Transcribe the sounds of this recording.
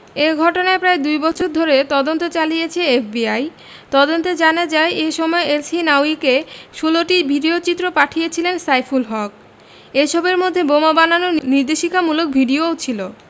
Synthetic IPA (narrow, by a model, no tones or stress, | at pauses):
eɡʱɔʈonaepɾaed̪ujbɔt͡ɕʰoɾd̪ʱoɾet̪ɔd̪ont̪ot͡ɕalijet͡ɕʰeefbiaj | t̪ɔd̪ont̪ed͡ʑanad͡ʑaeʔeʃɔmɔeelsinawikeʃuloʈibʱiɖiot͡ɕit̪ːɾopaʈʰijet͡ɕʰilensajfʰulɦɔk̚ | eʃɔbeɾmod̪ʱːebomabananoniɾd̪eʃikʰamulok̚bʱiɖiot͡ɕʰilo